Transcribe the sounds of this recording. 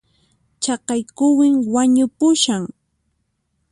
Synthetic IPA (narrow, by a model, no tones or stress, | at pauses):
t͡ʃɑqɑjkʊwɪŋwaɲʊpʊʃaŋ